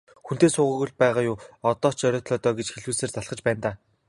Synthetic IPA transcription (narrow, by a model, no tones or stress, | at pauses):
xun̥t̪eːsʊːʁə̆ɣŭɮpæːʁaːjʊːɔt̪ɔːt͡ɕœɾʲɔːt̪ɮɔːt̪ɔːɡet͡ɕxeɮuːseːrt͡saɮχə̆t͡ɕpæːnt̪aː